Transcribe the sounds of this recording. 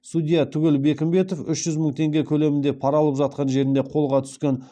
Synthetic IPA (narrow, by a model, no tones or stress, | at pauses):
sud̪ʲijat̪ʰʏɡʲɪlbe̞kʲɪmbe̞t̪o̞fʏʃʒ̥ʏzməɴt̪ʰe̞ŋɡʲe̞kʲʰɵle̞mɪnd̪epʰɑɾɑlˠəpʒɑt̪̚qɑnʒe̞ɾɪnd̪e̞qʰo̞lˠʁɑt̪ʰʏ̥skʲe̞n